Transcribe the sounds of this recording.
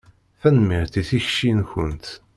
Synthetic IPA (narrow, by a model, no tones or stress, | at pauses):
fænmiɾθiθiçʃinçənt̪